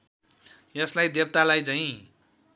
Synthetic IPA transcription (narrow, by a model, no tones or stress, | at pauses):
jeslajd̪eb̚t̪alajt͡saĩ